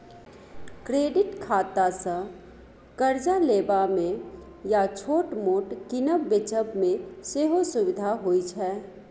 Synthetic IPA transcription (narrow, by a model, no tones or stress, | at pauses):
kɾeːɖɪʈkʰaːt̪asə̃ | kəɾd͡ʒaleːbamẽ | jat͡ʃʰoːʈmoːʈkɪnəbbet͡ʃəbmẽseːɦosʊwɪd̪ʱaɦoːit͡ʃʰɛː